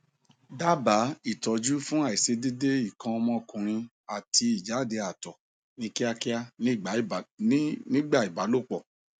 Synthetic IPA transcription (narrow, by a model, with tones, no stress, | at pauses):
da˦ba˨˦i˦˨tɔ˨d͡ʒu˦fũ˦a˦˨i˨se˨˧de˦de˦i˦˨kã˧ɔ˧mɔ̃˧kũ˨ɾ̃ĩ˧ | a˨tʰi˧i˨d͡ʒa˨˦˨de˧a˨tɔ˨ | nĩ˧ki˦a˧ki˦a˦ñ˦˨ɡ͡ba˨˦˨nĩ˦ɡ͡ba˦˨i˨ba˨˦lo˦˨k͡pɔ˨